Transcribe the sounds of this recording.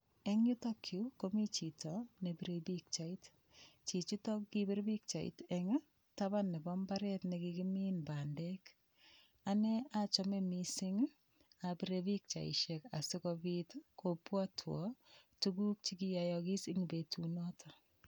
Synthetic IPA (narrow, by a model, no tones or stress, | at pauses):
eŋɲutɔkʰːikomit͡ʃitɔnebiɾebik̚t͡ʃait | t͡ʃit͡ʃitɔkːibiɾbik̚t͡ʃaḭtɛŋ | tabanːebɔmbaɾɛtnekikiminbaːndɛk | anɛat͡ʃɔmemisɪŋ | abiɾebik̚t͡ʃa̰ḭʃekasɪkɔbitkʰopwatʰwɔ̰tuɡuk̚t͡ʃikijajɔkisiŋibetunɔtʰɔ